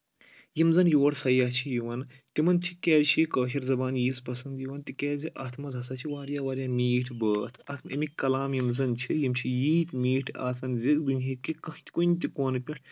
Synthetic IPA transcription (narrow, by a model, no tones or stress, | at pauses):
jimzɐnjoːɽsɐjɐt͡ʃʰijiʋɐnt̪imɐnt̪ʰikʲɛːzt͡ʃʰikəːɦiɾzɐbaːnjiːspɐsɐnd̪jiʋɐnt̪ikɛːziʔɐt̪ʰmɐzɦɐsat͡ʃʰiʋaːɾjaːʋaːɾjaːmʲiːʈʰbəːt̪ʰɐt̪ʰmɐmikɐlaːmjimzɐnt͡ʃʰijimt͡ʃʰijiːt̪ʲmiːʈʰa̰ːsɐnzid̪ɨnʲɦikːikɐhit̪i̥kont̪ikoːnpʲɐʈʰ